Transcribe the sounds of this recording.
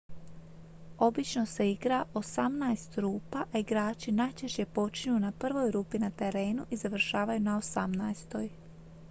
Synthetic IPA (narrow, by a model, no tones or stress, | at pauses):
o̞bit͡ʃno̞se̞iɡɾaʔo̞samnajest̪ɾuːpaʔaiɡɾaːt͡ʃinajt͡ʃe̞ʃt͡ɕe̞po̞t͡ʃiɲunapr̩ʋo̞jɾuːpinat̪e̞ɾe̞ːnuʔizaʋr̩ʃaːʋajunaosamnajst̪o̞j